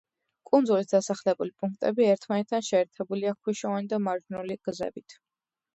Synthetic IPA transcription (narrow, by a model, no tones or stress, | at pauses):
kʼund̪zulisd̪asaχlɛbulipʼuŋk̚ʰt̪ʼɛbiɛɾt̪ʰmanɛt̪̚ʰd̪anʃɛːɾt̪ʰɛbuliakʰwiʃɔvanid̪amaɾd͡ʒnuliɡ̥zɛ̰bit̪ʰ